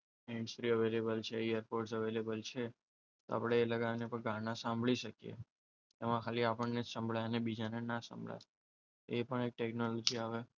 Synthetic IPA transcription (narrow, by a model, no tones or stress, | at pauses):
ẽɳɖsʈɾiəʋelebəlt͡ʃʰeejəɾpoɾʈsəʋelebəlt͡ʃʰe | t̪o̰a̰pɽ̃eːləɡanepəɳɡãnãsãmbʱɭiʃəkjḛ | t̪emãkʰaliapəɳned͡ʒsəmbʱɭajənebid͡ʒanenasã̰mbʱɭa̰j | epəɳek̚ʈeknolod͡ʒiaʋe